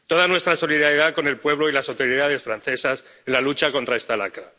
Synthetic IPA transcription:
t̪o̞ð̞anwe̞st̪ɾaso̞liðaɾjeð̞ako̞ne̞lpwe̞βlo̞ilasawt̪oɾjiðaðe̞sfɾanθe̞sas | e̞nlalut͡ʃako̞nt̪ɾae̞st̪ala̰kɾa

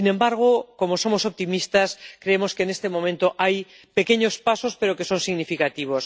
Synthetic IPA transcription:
inẽ̞mbaɾɣ̞oko̞mosomosop̚t̪imist̪askɾeemo̞skeːnest̪emomẽnt̪oʔaj | pe̞keɲo̞spasospe̞ɾoke̞so̞nsiɣnifikat̪iβ̞os

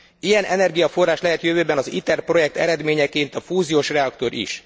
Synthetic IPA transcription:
ijɛnʔɛnɛrɡijɒfo̞rːaːʃlɛɦɛt̪jøvøːbɛnɒzit̪ɛrpro̞jɛk̚t̪ɛ̰ɾɛd̪meːɲɛkeːnt̪ɒfuːzijoːʃrɛɒkt̪o̞ɾḭʃ

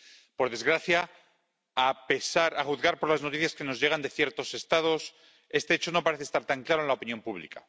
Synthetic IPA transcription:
po̞ɾðe̞zɣɾaθja | ape̞saɾaxuðɣaɾpo̞ɾlaznoiθjaske̞no̞zʝe̞ɣ̞and̪e̞θje̞ɾt̪o̞se̞st̪að̞o̞s | e̞st̪e̞et͡ʃo̞no̞paɾeθest̪aɾt̪aŋklaɾo̞enlaopinjo̞mpuβ̞lḭka̰

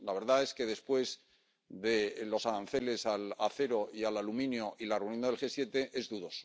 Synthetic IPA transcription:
laβ̞e̞ɾðae̞ske̞ðe̞spwe̞z | ðe̞lo̞saɾanθe̞le̞salaθe̞ɾo̞ialalumĩnjoʔilarewnjo̞nðe̞lxe̞sje̞t̪e̞ʔe̞zðuðo̞so̥

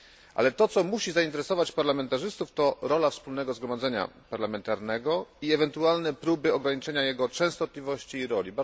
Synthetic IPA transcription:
ʔa̰lɛt̪ɔt̪sɔmuɕizaint̪ɛɾɛsɔvat͡ɕpaɾlamɛnt̪aʐɘst̪uft̪ɔɾɔlafspulnɛɡɔzɡɾɔmad̪zɛɲa̰paɾlamɛnt̪aɾnɛɡɔiɛvɛnt̪ualnɛpɾubɘɔɡɾaɲit͡ʂɛɲajɛɡɔt͡ʂɛ̃w̃st̪ɔt̪lʲivɔɕt͡ɕiːɾɔlʲiba

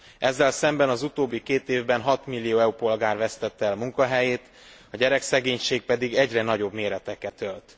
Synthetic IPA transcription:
ɛzːɛlsɛmbɛnɒzut̪oːbːikeːt̪eːvbɛnɦɒt̪milːijoːɛupo̞lɡaːrvɛst̪ɛt̪ːɛlmuŋkɒɦɛjeːt̪ | ɒɟɛɾɛksɛɡeːɲʃeːɡ̚pɛd̪iɡɛɟrɛnɒɟo̞bmeːɾɛt̪ɛkɛt̪ølt̪

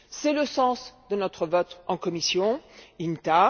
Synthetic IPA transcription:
sɛləsɑ̃sd̪ənɔt̪χəvɔt̪ɑ̃kɔmisjɔ̃int̪a

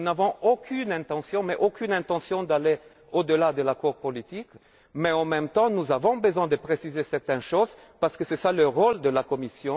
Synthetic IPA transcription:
unavɔ̃okʰynɛ̃t̪ɑ̃sjɔ̃mɛʔokynɛ̃t̪ɑ̃sjɔ̃d̪ale | od̪əlad̪əlakuʁpɔlit̪ik | mɛɑ̃mɛ̃mt̪ɑ̃nuzavɔ̃bəzwɛ̃d̪əpχesizesɛʁt̪ɛ̃nʃoz | paʁsə̥kəsɛsaləʁold̪əlakɔmisjɔ̃

